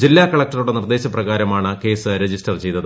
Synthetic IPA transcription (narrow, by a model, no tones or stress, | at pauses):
d͡ʑilːaːkɐɭɐk̚ʈɐruɽe̞nird̪e̞ːɕɐprɐɣaːɾɐmaːɳɨke̞ːsɨɾed͡ʑistɐrt͡ɕe̞jt̪ːɐð